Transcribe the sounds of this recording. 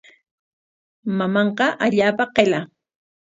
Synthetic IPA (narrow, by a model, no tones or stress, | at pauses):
mamɑɴqɑʔaʎaːpaqela